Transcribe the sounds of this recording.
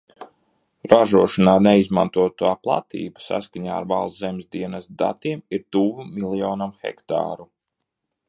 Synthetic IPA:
ɾaʒuɔʃanaːnɛizmant̪uɔt̪uaːplˠa̰t̪ḭːbasa̰skaɲa̰ːa̰ɾva̰lˠszɛmʲzd̪iɛnɛst̪̚d̪a̰t̪iɛmiɾt̪uːvumilˠjɔːnamxɛ̰kt̪a̰ːɾu

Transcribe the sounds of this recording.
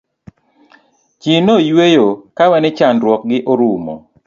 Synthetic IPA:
t͡ʃinojwejokawɛnet͡ʃanɾwɔk̚ɡɪʔoɾumo̰

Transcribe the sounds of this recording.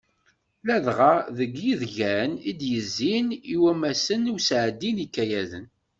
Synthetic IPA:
læðʁaðəɡjiðʝænid̪jəzːiniwæmæsənusʕəd̪ːinikːæjæðən

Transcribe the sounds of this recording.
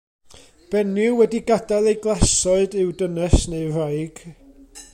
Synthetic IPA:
b̥ɛnɪwɛdiɡadalˠejɡlˠasɔɨdɨwdənɛsneɨrajɡ̥

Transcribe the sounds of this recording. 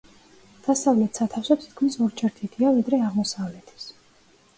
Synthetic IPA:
d̪̥asavlɛt̪ʰsat̪ʰafsɔt̪ʰi̥t̪̚ʰkʰmisɔɾd͡ʒʰɛɾt̪ʰid̪ʰiavid̪ɾɛaʁmɔsavlɛt̪ʰi̥s

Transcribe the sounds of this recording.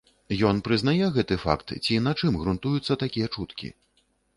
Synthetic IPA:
jɔnpɾɨznajɛɣɛt̪ɨfa̰kt̪t͡sʲinat͡ʂɨmɣɾunt̪ujut̪sːɐt̪akʲijɐt͡ʂut̪kʲḭ

